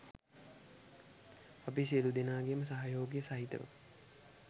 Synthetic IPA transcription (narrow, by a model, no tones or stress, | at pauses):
apiselud̪enaːɡejəməsaɦajoːɡijəsaɦit̪ə̰ʋə̰